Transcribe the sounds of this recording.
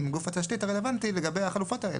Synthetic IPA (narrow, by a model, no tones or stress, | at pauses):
mɡufat̪aʃtit̪aʁelevant̪ileɡabejhaχalufo̞taḛl